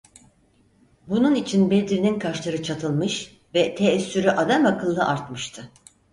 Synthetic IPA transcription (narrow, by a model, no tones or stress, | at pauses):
bununit͡ʃʰinbed̪ɾininkʰaʃlˠaɾɯt͡ʃʰat̪ʰɯlˠmɯʃ | vɛt̪ʰeːsːyɾyʔad̪amakʰɯlˠːɯʔaɾt̪mɯʃt̪ʰɯ